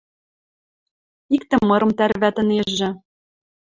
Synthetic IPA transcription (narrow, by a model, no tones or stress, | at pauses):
ikt̪ɘ̆mːɤ̆ɾɤ̆mt̪æɾβæt̪ɘ̆neʒːɘ̆